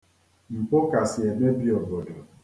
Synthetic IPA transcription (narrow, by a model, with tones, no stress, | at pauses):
m̩˨po˦ka˨sɪ˨e˨be˦bi˦˨ɔ˨bɔ˨dɔ˨